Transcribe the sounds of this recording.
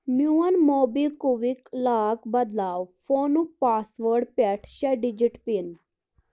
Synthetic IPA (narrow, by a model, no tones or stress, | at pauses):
mjuːənmoːbiːkuʋiklaːkbɐd̪laːwfʰoːnupaːsʋəɾɖpɛʈʰʃɛɖid͡ʒiʈpin